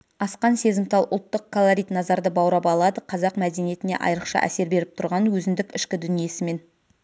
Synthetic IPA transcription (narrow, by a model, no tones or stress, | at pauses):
ɑsqɑnse̞zɪmt̪ʰɑlˠʔʊ̰lˠt̪ːəq̚kʰolˠoɾʲijt̪nɑzɑɾd̪əbɑwɾɑpɑlˠɑd̪əqʰɑzɑqmæd̪e̞nije̞t̪ɪne̞̰ʔɑ̰jɾəqʃɑ̰ʔæ̰se̞ɾbe̞ɾɪp̚t̪ʰʊɾʁɑnwɵzɪnd̪ɪkɪʃkʲɪd̪ʏnije̞sɪme̞n